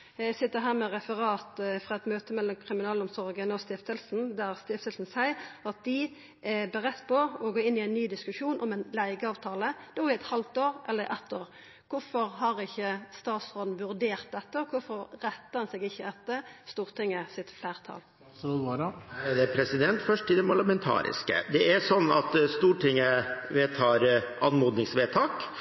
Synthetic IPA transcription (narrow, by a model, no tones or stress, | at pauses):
sɪt̪ːəʁɦæːʁmɛʁɛfəʁɑːt̪fʁɑɛt̪møːt̪əmɛlːɔmkʰʁɪmɪnɑːlɔmsɔʁɡənɔst̪ɪft̪əlsn̩d̪æʁst̪ɪft̪əlsn̩sæɪɑt̪̚d̪ɪ | bɛʁɛt̪ːpʰɔɔɡoːɪnːɪæɪnnyːd̪ɪskʉʂuːnʔɔmɛnlæɪɡəɑːʋt̪ʰɑːləd̪̥ɛɔʁɪɛt̪hɑlt̪oːɾʔɛ̰lːəɾʔɛ̰t̪ʰːoːʁ | kʰʊfɔʁhɑʁɪçːəst̪ɑːt̪sʁoːd̪n̩ʋʉɾd̪eːʁt̪̚d̪ɛt̪ːəɔkʰʊfɔɾːɛt̪ːənsɛɡɪçːəɛt̪ːəst̪uːʁt̪ʰɪŋːəsɪt̪flæːʁt̪ʰɑ̰ːl | d̪ɛpʰɾɛsɪd̪ɛnt̪fœʂʈɪld̪ɛmpʰɑɭəmɛnt̪ʰɑ̰ːɾɪ̰skə̰d̪ɛʔæsɔnːɑ̰t̪st̪uːʈɪŋːəʋeːt̪ʰɑːɾɑnmuːd̪nɪŋsʋeːt̪ʰɑːk